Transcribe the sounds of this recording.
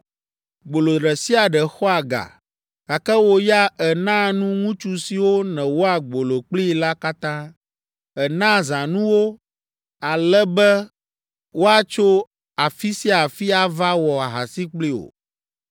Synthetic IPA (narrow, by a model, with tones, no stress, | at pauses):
ɡ͡bo˨lo˨ɾɛ˨si˦a˨ɖɛ˨xɔ˦a˨ɡa̰˨ | ka˨kɛ˦wo˦ja˦ɛ˨nã˦nũ˦ŋũ˦t͡ʃu˦si˨wo˦nɛ̃˨wo˦a˨ɡ͡bo˨lo˨k͡pli˦la˦ka˦t̪ã˦ | ɛ˨nã˦zã˨nũ˦wo˦ | a˨lɛ˦bɛ˦ | wo˦a˨t͡ʃo˦ | a˨fi˦si˦a˨fi˦a˨va˦wɔ˨a˨ɦa̰˨si˦k͡pli˦o̰˨